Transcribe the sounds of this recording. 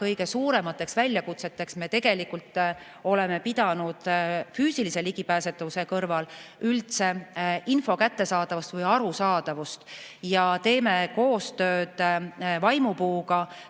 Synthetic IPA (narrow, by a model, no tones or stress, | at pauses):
kɤjɡ̥e̞suːɾe̞mɑt̪ːˑe̞ksvælʲːjɑkut̪se̞t̪ːe̞ksme̞t̪e̞ɡ̥e̞likult̪ˑː | o̞le̞me̞pid̪̥ɑnud̪̥fyːsilise̞liɡipæːse̞t̪ːˑɑuse̞kɤrvɑlylt̪se̞info̞kæt̪ːe̞sɑːd̪ɑvust̪vɤjɑɾusɑːd̪̥ɑvust̪jɑt̪e̞ːme̞ko̞ːst̪ø̞ːd̪̥vɑjmupuːɡɑ